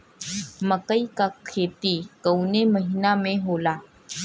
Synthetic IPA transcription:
məkəikakʰeːt̪ikəwneməɦinamẽɦola

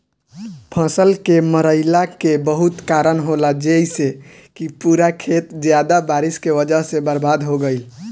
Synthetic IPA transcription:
pʰə̃səlkeməɾəɪlakebəɦut̪kaɾənɦolad͡ʒeise | kipuɾakʰet̪d͡ʒjad̪abaɾiskeʋəd͡ʒəɦsẽbəɾbad̪ɦoɡəɪl

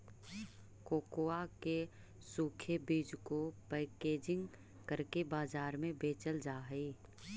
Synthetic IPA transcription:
koːkoːake | suːkʰebiːd͡ʒkopɛːkeːd͡ʒɪ̃ŋɡ | kəɾkebaːzaːɾmẽbeːt͡ʃəld͡ʒaːɦiː

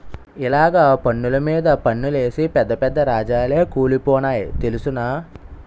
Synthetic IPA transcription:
ilaːɡaːpɐnːulɐmiːd̪ɐpɐɳːule̞ːsipɛd̪ːɐpɛd̪ːɐɾaːd͡ʒaːleːkuːlipɔːnaːjit̪elusunɐ

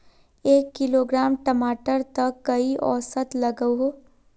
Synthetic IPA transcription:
eːkːɪloːɡɾaːmʈəmaːʈəɾt̪ɐkːɐiʔɔ̰ːsət̪lɐɡəɦo

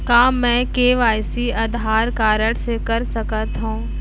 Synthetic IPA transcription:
kaːmːɛ̃ːkeːʋaːjsiɐd̪ʱɦaːɾkaːɾəɽsekɐɾsɐkət̪ɦũː

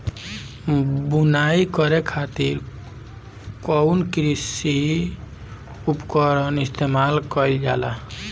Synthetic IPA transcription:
bunaikʌɾekʰat̪iɾ | kɔnkɾisi | upkɔɾənist̪ʰemalkɔjld͡ʒa̰la̰

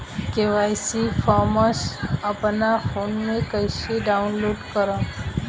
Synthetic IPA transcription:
keʋajsifʰamosapnafonːekəjʃeɖaunloɖkəɾa

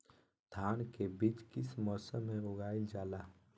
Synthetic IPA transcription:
d̪̥ʱaːnkebit͡ʃkɪsmɔːsəmːẽɾoɡaːild͡ʒaːla

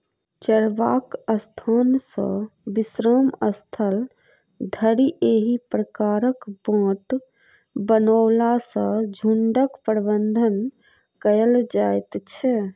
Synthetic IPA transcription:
t͡ʃəɾʋakəst̪ʰansə̰̃bisɾəməst̪ʰəl | d̪ʱəɾiʔeɦipɾəkaɾəkbãːʈ | bənəʊlasə̃d͡ʒʱuɳɖəkpəɾbənd̪ʱən | kəjəld͡ʒajt̪t͡ʃʰɛ

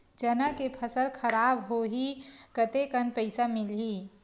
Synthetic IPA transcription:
d͡ʒənəkepʰəsəlkʰəɾaːbɦoɦikət̪ekənpəɪsamɪlɦiː

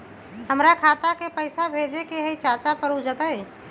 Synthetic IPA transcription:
ɦəmɾakʰaːt̪akepəɪsabʱeːd͡ʒekeɦɛit͡ʃaːt͡ʃapəɾud͡ʒət̪əe

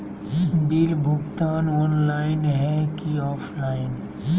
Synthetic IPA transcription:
bɪlbʱʊɡt̪aːnɔːnlaːɪnɦɛkiɔːpʰlaːɪn

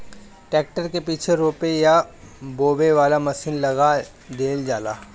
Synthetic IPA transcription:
ʈɛːk̚ʈəɾkepiːt͡ʃʰeɾoːpeja | boːbeʋaːlamɐsiːnlɐɡa | d̪eːld͡ʒaːla̰ː

